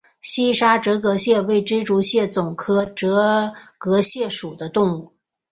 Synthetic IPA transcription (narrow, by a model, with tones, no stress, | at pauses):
ɕi˥ʂa˥ʈ͡ʂɤ˧˥kɤ˧˥ɕjɛ˥˧we˥˩ɪʈ͡ʂɻ̩˥ʈ͡ʂu˧˥ɕjɛ˥˩t͡sʊ˨˩ŋkʰɤ˥ʈ͡ʂɤ˧˥kɤ˧˥ɕjɛ˥˩ʂu˨˩d̪ə˦t̪ʊ˥˧ŋu˥˩